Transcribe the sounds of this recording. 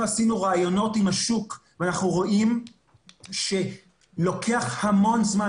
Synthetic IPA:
asinuʁaːjo̞no̞timhaʃukveanaχnuʁo̞ʔim | ʃe̞ | lo̞kʰe̞aχhamo̞nzma

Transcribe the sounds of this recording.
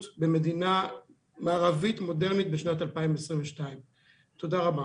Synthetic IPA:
tbeme̞dina | maːʁavitmode̞ʁnit̚beʃnatalpaimvesʁĩnveʃtaim | to̞daʁaba

